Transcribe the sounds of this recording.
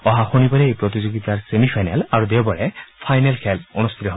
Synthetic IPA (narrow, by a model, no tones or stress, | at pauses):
ɔɦaxunibaɾeːjpɹot̪izoɡit̪aɹsemipʰajnalaɹud̪ewbɔɹɛpʰajnelkʰɛlonust̪ʰit̪ɔɦb